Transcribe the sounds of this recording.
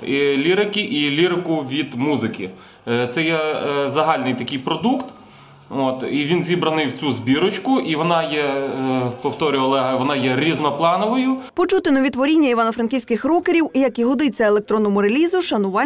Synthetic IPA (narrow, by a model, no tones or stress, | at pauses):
ilʲiɾɪkʲiʔilʲiɾɪkʊʋʲid̪muzɪkʲɪ̰ | t̪sɛjɛzɐɦɑlʲnɪjt̪ɐkɪjpɾɔd̪ukt̪ | ot̪iʋʲinzʲibɾɐnɪjwt͡sʲuzʲbʲiɾɔt͡ʃkʊʔiʋɔnɑjɛ | pɔwt̪ɔɾʲʊɔlˠɛɦɐʋɔnɑjɛɾʲiznɔplˠɑnɔʋɔjʊpɔt͡ʃut̪ɪnɔʋʲit̪ʋɔɾʲinʲːɐiʋɑnɔfɾɐnkʲiwsʲkɪxrɔkeɾʲiwjɐkiɦɔd̪ɪt͡sʲːɐelˠek̚t̪ɾɔnːɔmʊɾelʲizʊʃɐnʊʋɑ